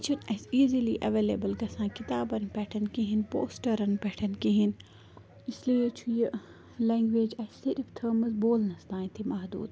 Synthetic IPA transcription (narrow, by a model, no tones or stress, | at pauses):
t͡ʃʰunɐziːziliʔɐʋeːlḛbəlɡɐsãːkit̪aːbɐnpɛʈʰɐnkĩɦinpo̰ːsʈɐɾɐnpɛʈʰɐnkĩɦin | islijit͡ʃʰuji | lɛ̃ːŋɡʋeːd͡ʒɐsiɾft̪ʰəːmɐzboːlnɐst̪ãːj̃t̪ʰimɐɦd̪ṵːd̪